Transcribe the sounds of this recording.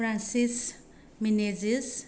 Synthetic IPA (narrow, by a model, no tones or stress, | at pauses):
ɾansis | minezis